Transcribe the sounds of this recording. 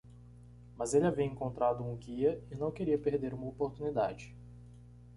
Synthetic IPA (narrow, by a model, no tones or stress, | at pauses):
mɐzelɪaviɐẽŋkõnt̪ɾad̪ʊũɡiɐɪnɐ̃w̃keɾiɐpeɾd̪eɾũmɐopoɾt̪unid̪ad͡ʒɪ